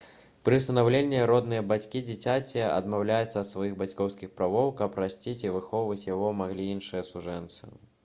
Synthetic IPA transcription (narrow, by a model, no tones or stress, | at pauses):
pɾɨwst̪ɐnawlʲenʲːiɾɔd̪nɨjɐbat͡sʲkʲid͡zʲit͡sʲat͡sʲiɛɐ̰d̪mawlʲajut̪sːɐːt̪svajiɣbat͡sʲkɔwskʲixpɾavɔwkɐpɾasʲt͡sʲit͡sʲivɨxɔwvɐt͡sʲjaɣɔmaɣlʲiinʂɨjɐsuʐɛnt̪sɨ̰